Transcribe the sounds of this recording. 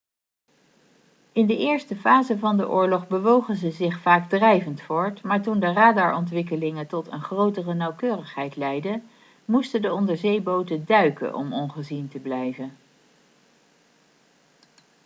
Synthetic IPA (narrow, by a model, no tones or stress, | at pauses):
ɪndəʔɪːɹstəfaːzəvɑndə̰ʔʊ̰ːɹlɔχbəʋowχənzəzɪχfaːɡdrɛjvəntfʊːɹtmaːɹtundəraːdɑɹʔɔntʋɪk̬əlɪŋəntɔtə̰nχrowtərənɑwkøːrəχɦɛjtlɛjdə | mustədəɔndəɹzejbowtədœɥkə̰ʔɔ̰mɔnχəzintəblɛjvən